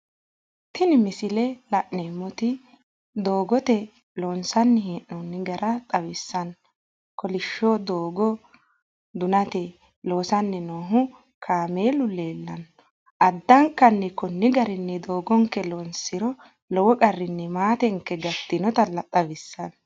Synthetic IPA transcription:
t̪ɪnɪmɪsɪlɛlɐʔneːmːɔt̪ɪ | d̪oːɡɔt̪ɛ | loːnsɐnːɪhiːʔɔnːɪɡɐɾʔɐt̪ʼɐwɪsːɐn | kɔlɪʃːoːd̪oːɡɔ | d̪ʊnɐt̪ɛ | lo̞ːsɐnːɛnoːɦʊ | kʰaːmeːlʊleːlːɐn | ʔɐd̪ːɐŋkːɐnːɛkɔnːɪɡɐɾɪnːɛd̪oːɡɔŋkːɛloːnsɪɾɔ | lɔwɔkʼɐrːɪnːɛmaːt̪ɛŋkːɛɡɐt̪ːɪnɔt̪ɐlɐt̪ʼɐwɪsːɐn

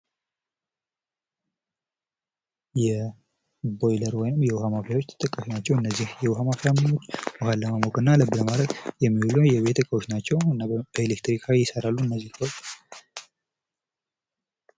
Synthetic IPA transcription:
jɛ | bo̞jləɾwɔjnɨmjɛwʊhamafɾawo̞t͡ʃːt̪ʰt̪ʼɨkʼːaʃinat͡ʃːɛwɨnːəzːihjɛwʊɦamafɾamnot͡ʃːwʊhalːəmamokʼɨnːaləbɨləmad̪ɾəɡjɛmːihulujɛβe̞t̪ʰəkʼəwot͡ʃːnat͡ʃːɛwɨnːab̥əelekt̪ɾikʰajɪsəɾalːuɨnːəzːihkʰʼəwot͡ʃː

